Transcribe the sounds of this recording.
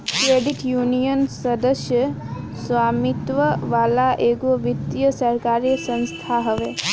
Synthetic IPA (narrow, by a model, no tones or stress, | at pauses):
kɾeːɖiʈjuːnijənsɐd̪əʃjə | sʋaːmit̪ʋəʋaːlaʔeːɡoʋit̪jəsɐɾkaːɾjsɐ̃nst̪ʰaːɦɐʋeː